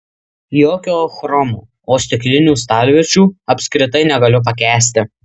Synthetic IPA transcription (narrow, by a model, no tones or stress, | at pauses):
joːkʲoːxɾɔmṵː | oːsʲt̪ʲɪklʲɪnʲuːst̪ɑːlʲʋʲɪt͡ʃʲuːɐpʲsʲkɾʲɪt̪ɐɪnʲɛɡɐlʲʊp̬ɐkʲæːsʲt̪ʲɪ